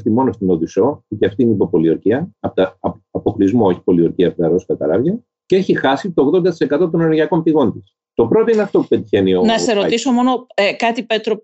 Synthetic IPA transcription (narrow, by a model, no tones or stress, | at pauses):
ft̪imo̞nost̪inoðiso̞it̪eɐft̪ineipopo̞lioɾciɐɐpt̪ɐɐpo̞klizmo̞eçi̥po̞lioɾciɐpt̪ɐɾo̞skɐt̪ɐ̰ɾɐvʝɐ | ceeçixɐsit̪o̞ːɣðo̞nd̪ɐt̪ise̞kɐt̪o̞t̪o̞neɾʝɐko̞mpiɣo̞nt̪is | t̪o̞pɾo̞t̪oineɐft̪o̞pu̥pet̪içe̞nionɐseɾot̪iso̞mo̞nokɐt̪ipet̪ɾo